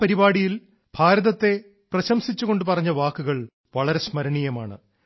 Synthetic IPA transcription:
pɐɾibaːɽijil | bʱaːɾɐðɐt̪ːe̞ | prɐɕɐmsit͡ɕːuɣo̞ɳɖɨpɐrɐɲːɐʋaːkːuɣɐɭ | ʋɐɭɐɾe̞smɐɾɐɳijɐmaːɳɨ̰

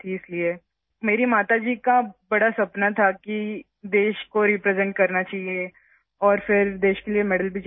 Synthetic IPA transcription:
t̪ʰiɪslie | meːɾimaːt̪ad͡ʒiːkabɐɽasɐpnat̪ʰaki | d̪eːʃkoɾipɾɛzɛ̃ɳʈ̚kɐɾnat͡ʃaːɦie | ɔːɾfɪɾd̪eːʃkeliemɛːɽəlbʱit͡ʃ

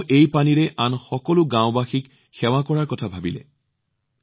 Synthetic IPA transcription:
ʔejpaniɹɛʔanxɔkɔlʊɡãʊbaxik | xɛwakɔɹaɹkɔtʰabʱabilɛ̰

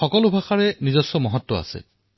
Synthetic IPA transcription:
xɔkɔlʊbʱaxaɹɛnizɔsːɔmɔɦɔtːɔa̰sɛ̰

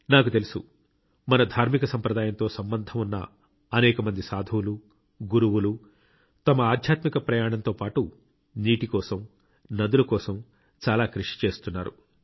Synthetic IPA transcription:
naːkut̪e̞lusṵ | mɐnɐd̪ʱaːɾmikɐsɐmpɾɐd̪aːjɐnt̪o̞ːsɐmbɐnd̪ʱɐmunːɐ̰ | ɐnɛːkɐmɐnd̪isaːd̪ʱɐwlu | ɡuɾuwulu | t̪ɐmɐaːd̪ʱjaːt̪mikɐpɾɐjaːɳɐnt̪o̞ːpaːʈu | niːʈikɔːsɐm | nɐd̪ulukɔːsɐm | t͡ʃaːlaːkɾuʂi̥t͡ʃe̞ːst̪unːaːɾṵ

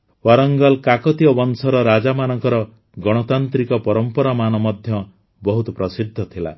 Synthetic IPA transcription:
waɾɔŋɡɔlkakɔt̪ijɔbɔnsɔɾɔɾad͡ʒamanɔŋkɔɾɔ | ɡɔɽ̃ɔt̪ant̪ɾikɔpɔɾɔmpɔɾamanɔmɔd̪ʱjɔ | bɔɦut̪ɔpɾɔsid̪ʱːɔt̪ʰila̰

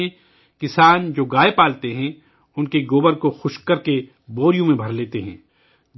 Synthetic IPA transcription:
ẽ | kɪsaːnd͡ʒoːɡaːepaːlt̪eɦɛ̃ | ʊnkeɡoːbəɾkoxʊʃkɐɾke | boːɾijõmẽbʱɐɾleːt̪eɦɛ̃ː

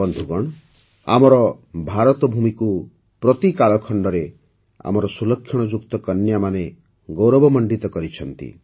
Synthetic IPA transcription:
ɔnd̪ʱuɡɔɽ̃ɔ | a̰mɔɾɔbʱaɾɔt̪ɔbʱumiku | pɾɔt̪ikaɭɔkʰɔɳɖɔɾe | a̰mɔɾɔsulɔkʰːjɔɽ̃ɔd͡ʒukt̪ɔkɔnjamane | ɡowɾɔbɔmɔɳɖit̪ɔkɔɾit͡ʃʰɔnt̪ḭ

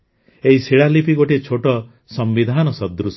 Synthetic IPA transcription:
eɦisiɭalipiɡoʈit͡ʃʰoʈɔ | sɔmbid̪ʱanɔsɔd̪ɾus

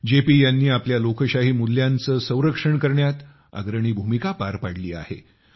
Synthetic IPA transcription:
d͡ʑepiːjanːiːapljalokəɕaɦiːmulːjant͡səːsə̃w̃ɾəkʂəɳkəɾɳjat̪ | a̰ɡɾəɳ̃iːbʱumikapaɾpaɽliːa̰hḛ

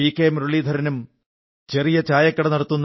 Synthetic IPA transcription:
iːkːeːmɾoɭiːd̪ʱɐɾɐnum | t͡ɕe̞rijɐt͡ɕaːjɐkːɐɽɐnɐɽɐt̪ːunː

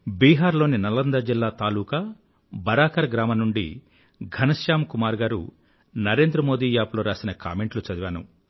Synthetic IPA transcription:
biːɦaːɾlo̞ːninɐlɐnd̪ɐd͡ʒilːaːt̪aːluːkɐ | bɐɾaːkɐɾɡɾaːmɐnuɳɖḭ | ɡʱɐnɐʃjaːmkumaːɾɡaːɾṵ | nɐɾe̞ːnd̪ɾɐmo̞ːd̪iːjaːploːɾaːsinɐka̰ːme̞ɳʈlut͡ʃɐd̪iʋaːnṵ

